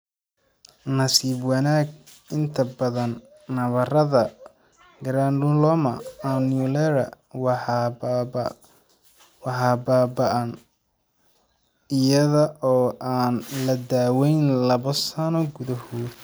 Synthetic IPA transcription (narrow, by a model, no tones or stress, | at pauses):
nɐsiːbwɑnaːɡ̚ | ɪnt̪ʰɐbɐðɐnː | ɐβɐrɐðɐ | ɡɾaːnɖʊlɔmɐ̰anjulɛɾɐ | w | wɑħɑːbaːbɐʔɐn | ɪjɐðɐʔɔːʔaːnlɐd̪aːwɛjnlɐβɔsɐnɔɡʊðɐhʊ